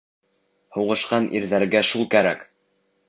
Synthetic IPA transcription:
huʁɤ̆ʃqɑnʔḭɾðæɾɡæʃulˠkæɾæ̰k

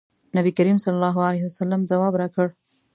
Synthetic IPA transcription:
nabikaɾimsɐlːalːɑɦualaɦiwasalːamzawɑbɾakəɽ

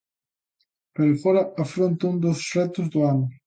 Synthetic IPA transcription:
peɾfoɾɐɐfɾõnt̪ɐũnd̪ʊsʃɛt̪ʊzðʊanʊ

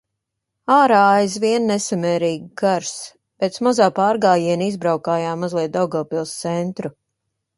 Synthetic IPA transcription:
aːɾaːajzʋiɛnnɛsamɛːɾiːɡɡaɾs | pɛːt̪smazaːpaːɾɡaːjiɛnizbɾawkaːjaːmazlˠiɛt̪̚d̪awɡalpilˠst̪sɛnt̪ɾu

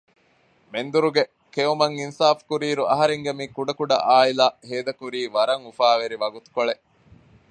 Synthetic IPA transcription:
mend̪uɾuɡe | keumɐŋinsaːfkuɾiːɾuʔɐɦɐɾeŋɡemiːkuɖɐkuɖɐ̰ʔaːilaːheːd̪ɐkuɾiːʋɐɾɐŋufaːʋeɾiʋɐɡut̪u̥koɭeʔ

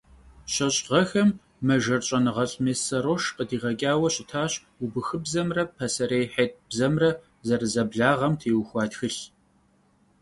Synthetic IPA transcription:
ɕɐɕʼʁɐxɐmː | ɐʒɐrɕʼɐnɨʁɐɬʼmeːsɐɾoːʃqədiːʁɐkʲʼaːwɐɕʼɪtʰaːɕ | ubɨxɨbzɐmrɐpʰɐsɐɾejħeːt̚ʼbzɐmrɐ | zɐrɨzɐbɮaːʁɐmtʰeːwxʷɑːtxɨɬ

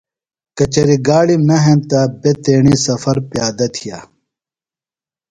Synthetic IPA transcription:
kɐt͡ɕɐɾiɡaːɽimɐɦent̪abet̪eːɳisɐfɐɾpjaːd̪ɐt̪ʰija̰ː

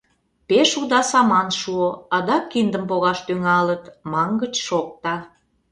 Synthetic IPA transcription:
peʃud̪ɑsɑmɑnʃuoɑd̪ɑkːind̪əmpoɣɑʃt̪yŋɑlət̪mɑŋɡət͡ɕʃok̚t̪ɑ

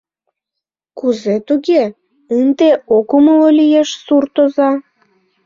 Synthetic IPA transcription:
kuzet̪uɣe | ɨnd̪eokuməlolʲijeʃsurt̪ozɑ

